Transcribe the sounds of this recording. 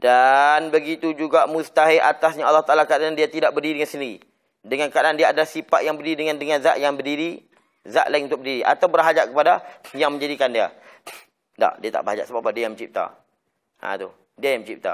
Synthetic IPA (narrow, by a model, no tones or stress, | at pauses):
d̥anbəɡit̪ud͡ʒuɡaʔmust̪aɦeʔat̪asɲaalːɑht̪aʔalakadaandiat̪idaʔbərdiɾidəŋansəndiɾi | dəŋankadaandiaːdalahsipaʔ̪jaŋbərdiɾidəŋandəŋanza̰ʔjaŋbərdiɾi | za̰ʔlaiŋut̪ʊk̚bədiɾiʔa̰t̪awbəɾɦad͡ʒaʔkəpadajaŋmə̃ɲd͡ʒadikandia̰ | da̰ʔdiat̪a̰ʔbəɾɦad͡ʒaʔsəbapadiajaŋməɲt͡ʃip̚t̪a̰ | ã̰t̪u | diajaŋmə̃t͡ʃip̚t̪a̰